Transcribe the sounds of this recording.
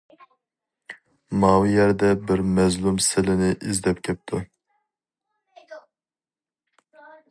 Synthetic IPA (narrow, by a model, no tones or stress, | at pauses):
mɑːwɪjɛɾd̪ɛbɪɾmɛzlumsɪlɪnɪʔɪzd̪ɛpkʲʰɛp̚t̪ʰu